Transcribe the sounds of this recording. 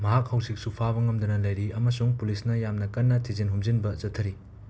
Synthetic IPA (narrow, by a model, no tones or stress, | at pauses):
mɐɦak̚hɐwsik̚supʰabɐŋɐmdɐnɐlɐjɾiɐmɐsuŋpulisnɐjamnɐkɐnːɐtʰizinɦumzinbɐzɐtʰːɐɾi